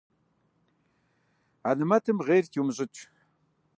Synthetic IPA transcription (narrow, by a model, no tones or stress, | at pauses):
anɨmɐtʰɨmʁeːrtʰiwmʑʼɪtʷʼʰ